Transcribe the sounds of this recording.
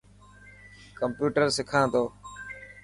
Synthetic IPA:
kəmpjuːʈəɾsɪkʰãːt̪oː

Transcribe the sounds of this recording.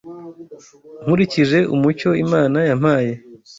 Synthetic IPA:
ŋ̥uɾiciʒe̞ʔumut͡ʃo̞imaːnajam̥aːje̞

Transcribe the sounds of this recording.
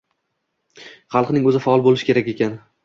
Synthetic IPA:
χɑlˠqnɪŋɵzɪfaɒlˠbolɪʃɪkʲʰe̞ɾakʲe̞kʲan

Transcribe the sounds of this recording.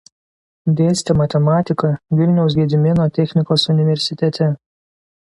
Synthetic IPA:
d̪ʲeːsʲt̪ʲɛmɐt̪ʲɛmɑːt̪ʲɪkɐʋʲɪlʲnʲɛʊs̬ɡʲɛd̪ʲɪmʲɪnoːt̪ʲɛxʲnʲɪkoːsʊnʲɪʋʲɛɾʲsʲɪt̪ʲɛt̪ʲɛ

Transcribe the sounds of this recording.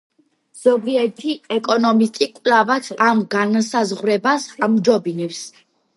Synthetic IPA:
z̥ɔbiɛɾt̪ʰiɛkʼɔnɔmist̪ʼikʼlavat̪ʰamɡansazʁwɾɛbasamd͡ʒɔbinɛps

